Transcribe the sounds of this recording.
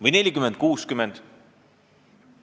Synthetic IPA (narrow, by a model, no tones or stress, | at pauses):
vɨjne̞lʲikymɛnd̪̥̚kuːskymɛnd̪̥